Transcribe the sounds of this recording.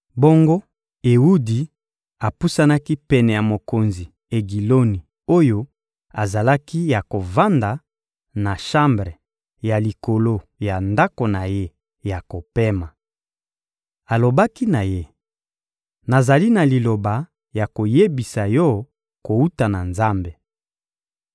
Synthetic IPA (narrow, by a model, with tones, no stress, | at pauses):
bo˦ŋɡo˦ | e˨u˦di˨ | a˨pu˦sa˦na˦ki˦pɛ˨nɛ˨ja˨mo˨ko˨nzi˨ | e˨ɡi˨lo˦ni˨ | o˦jo˦ | a˨za˨la˦ki˦ja˨ko˨va˦nda˨ | na˨ʃã˦mbʁe˨ | ja˨li˨ko˨lo˦ja˨nda˦ko˨na˨je˦ | ja˨ko˨pe˦ma˨ | a˨lo˨ba˦ki˦na˨je˦ | na˨za˨li˦na˨li˨lo˨ba˨ | ja˨ko˨je˦bi˨sa˨jɔ˦ | ko˨u˦ta˨na˨nza˦mbe˨